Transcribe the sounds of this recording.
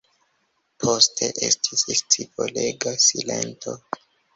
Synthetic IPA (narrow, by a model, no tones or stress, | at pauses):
pʰostʰe̞ʔe̞stʰisst͡sipoleɡasile̞nto̞